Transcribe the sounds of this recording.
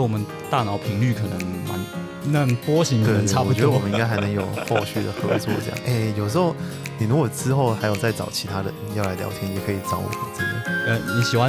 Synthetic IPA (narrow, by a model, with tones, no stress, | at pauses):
wɔ˨˩mə˦n | t̪a˥˩nɑ˨˥ʊpʰi˧˥ŋly˥˩kʰɤ˨˩nə˧˥˦ŋma̰˧˥n | na˥˩ŋpwɔ˥ɕi˧˥ŋt̪e˥˩a˥˩˧wwmə˦ni˥ŋka˥ɪxa˧˥ɪnɤ˧˥ŋjo˨˩ʊxo˥˧ʊɕy˥˩d̪ə̰˩xɤ˧˥t͡swɔ˥˧˩ɤ̰˥˧jɑ̰˥˨ʔe˥˩ɪjo˨˩ʊʂ̬̩˧˥xo˥˩ʊ | ni˨˩ɻu˧˥ɡwɔ˨˩t͡sɹ̩˥xo˥˩ʊxa˧˥ɪjo˨˩ʊt͡sa˥˩ɪt͡sɑ̰˨˩ʊt͡ɕʰi˧˥t̪ʰa˥d̪ə̰˨˩˨jɑ˥˩la˧˥ɪljɑ̰˧˥ʊt̪ʰjɛ˥njɛ˨˩kʰɤ˧˥i˨˩t͡sɑ˧˥ʊwɔ̰˨˩d̪ə̰˧˩˦t͡sə˥˧jɑ̰˥˩˦ə˧˩ni˧˩ɕi˨˩xwa˦